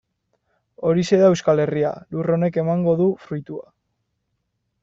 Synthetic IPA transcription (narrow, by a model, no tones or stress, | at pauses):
o̞ɾise̞ðaewskale̞ria̰luro̞ne̞ke̞maŋɡo̞ðufɾujt̪ua